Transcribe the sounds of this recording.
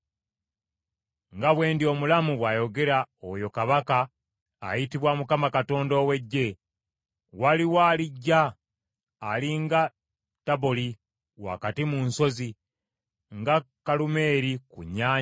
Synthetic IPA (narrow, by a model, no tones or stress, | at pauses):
ŋɡaβwe̞ːndio̞mulamuβwajo̞ɡe̞ɾaojo̞kaβaka̰ː | jitiβwamukamakato̞ːndoːwe̞ɟːe̞ | waliwaːliɟːaː | liŋɡa | taβoli | wa̰katimunso̞zi | ŋɡakalume̞ːɾikṵɲːaːɲ